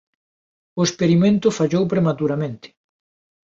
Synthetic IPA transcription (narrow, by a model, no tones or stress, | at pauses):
ʊespeɾimẽnt̪ʊfaʎowpɾemat̪uɾamẽnt̪ɪ̥